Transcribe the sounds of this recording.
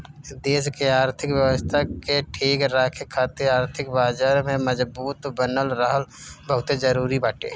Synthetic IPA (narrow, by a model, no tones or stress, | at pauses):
d̪eːs̬keaːɾt̪ʰɪkwjəwəst̪ʰakeʈʰeːɡɾaːkʰekʰːaːt̪ɪɾaːɾt̪ʰɪkbaːd͡ʒaːɾmẽməzbuːt̪bənəlɾəɦəlbəɦʊt̪ed͡ʒəɾuːɾibaːʈḛː